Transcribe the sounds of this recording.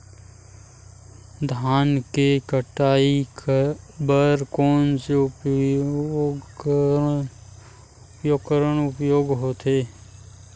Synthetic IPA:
d̪ʱaːnkekəʈaːi | bəɾkoːnse | ɡ | ʊpjoːɡkəɾəɽ̃ʊpjoːɡɦoːt̪eː

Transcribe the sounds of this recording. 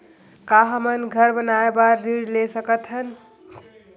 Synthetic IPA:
kaɦəmənɡʱəɾbənaebaːiɽlesəkət̪ʰɦən

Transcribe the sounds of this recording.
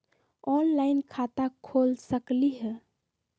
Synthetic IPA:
ɔnlaɪnkʰat̪akʰolsəkliɦɛ

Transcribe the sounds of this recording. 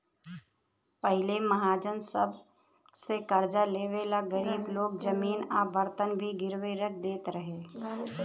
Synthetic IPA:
pəɦɪlemɐɦaːd͡ʒənsə̰b | sekəɾd͡ʒaleːʋeːlaɡəɾiːbloːɡ̚d͡ʒəmiːnaʋəɾt̪ənbʱiɡɪɾʋeɾək̚ʰd̪eːt̪ɾɐɦeː

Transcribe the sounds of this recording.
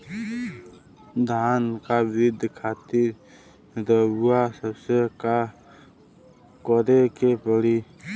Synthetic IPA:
d̪ʱaːnkabɪd̪ʱkʰaːt̪ɪɾ | dəbuasəbseka | kɔɾekepəɽi

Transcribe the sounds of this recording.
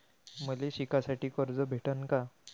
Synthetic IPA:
məleɕikasaʈiːkəɾd͡zɔbʱeʈənka

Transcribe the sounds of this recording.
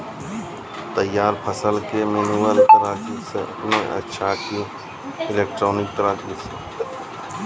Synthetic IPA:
t̪əjːaːɾpʰəsəlkemenuʋəlkəɾaːt͡ʃisemẽʔə̰tːʃʰaːkijo | ɪleːk̚ʈɾoːnɪk̚t̪əɾaːd͡ʒise

